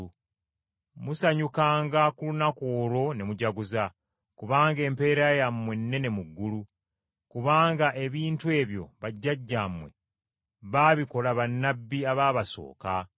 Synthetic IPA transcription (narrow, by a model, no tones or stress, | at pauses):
musaɲukaːŋɡakulunakoːɾo̞ne̞muɟaɡuza | kuβaːŋɡe̞ːmpe̞ːɾajamwenːe̞ne̞muɡːulu | kuβaːŋɡaʔe̞βiːntue̞ːβjo̞̰βaɟːaɟːamwe̞̰ | βaːβiko̞laβanːabːiaβaːβaso̞̰ːka